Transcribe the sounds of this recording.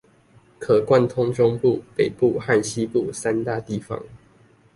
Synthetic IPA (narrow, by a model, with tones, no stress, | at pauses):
kʰɤ˨˩kwa˥˨nt̪ʰʊ˥ŋʈ͡ʂʊ˥ŋpu˥˨pe˨˩ɪpu˥˨xa˥˨nɕi˦pu˥˨sa˦˥nt̪a˥˧t̪i˥˩fɑ̰˦ŋ